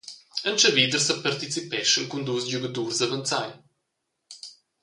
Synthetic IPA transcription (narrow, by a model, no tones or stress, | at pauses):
ənt͡ʃəvid̪əɾsəpaɾt̪it͡sipɛʃənkund̪usɟuɡəd̪uɾzɐvənt̪t͡saj